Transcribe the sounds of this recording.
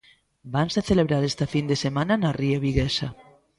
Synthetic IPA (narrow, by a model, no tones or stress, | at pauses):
bansaθeleβɾaɾest̪afind̪esemãnanariaβiɣesa